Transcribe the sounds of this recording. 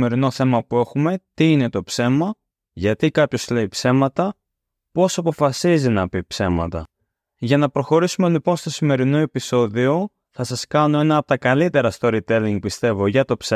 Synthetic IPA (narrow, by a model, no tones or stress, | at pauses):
me̞ɾino̞θe̞mɐpue̞xume̞t̪iine̞t̪o̞pse̞mɐ | ʝɐt̪ikɐpço̞zle̞ipse̞mɐt̪ɐ | po̞sɐpo̞fɐsizinɐpipse̞mɐ̰t̪ɐ̰ | ʝɐnɐpɾo̞xo̞ɾisume̞lipo̞nst̪o̞sime̞ɾino̞e̞piso̞ðio̞ | θɐsɐskɐno̞e̞nɐːpot̪ɐkɐlit̪e̞ɾɐst̪o̞ɾit̪eliŋɡ̚pist̪e̞vo̞ʝɐt̪o̞pse